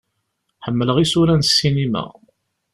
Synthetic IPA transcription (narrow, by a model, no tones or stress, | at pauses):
ħəmːələʁisuɾænsːinimæ̰